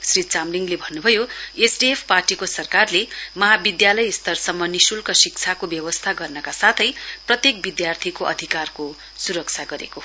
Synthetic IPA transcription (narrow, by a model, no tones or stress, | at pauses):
srit͡samliŋɡlebʱʌnːubʱʌjoesɖiepʰparʈikosʌrkarlemʌɦabid̪jalʌjst̪ʌrsʌmːʌnisulkʌsik̚t͡sʰakobjʌbʌst̪ʰaɡʌrnʌkasat̪ʰʌjprʌt̪jek̚bid̪jart̪ʰikoʔʌ̰d̪ʱikarko | suɾʌk̚t͡sʰaɡʌɾḛko